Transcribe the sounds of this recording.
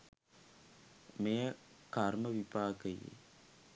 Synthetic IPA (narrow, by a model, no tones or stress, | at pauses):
mejəkaɾməʋipaːkəjḛ